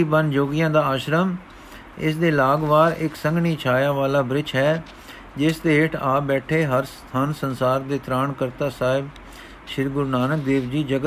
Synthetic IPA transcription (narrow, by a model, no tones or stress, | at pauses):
iːbənd͡ʒoːɡɪjãːd̪aːaːʃɾəm | ɪ̰sd̪eːlaːɡʋaːɾɪksəŋɡɳiːt͡ʃʰaːjãːʋaːlaːbɾɪt͡ʃʰɦɛː | d͡ʒɪsd̪eːɦɪʈʰaːbɛːʈʰeːɦəɾst̪ʰaːnsənsaːɾd̪eːt̪ɾaːɳkəɾt̪aːsaːɪb | ʃɪɾɡʊɾnaːnək̚d̪eːʋd͡ʒiːd͡ʒəɡə